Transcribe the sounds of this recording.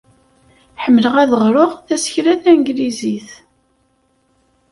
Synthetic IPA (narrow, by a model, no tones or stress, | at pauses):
ħəmːələʁæðəʁɾoʁθæsçɾæθænɡliziθ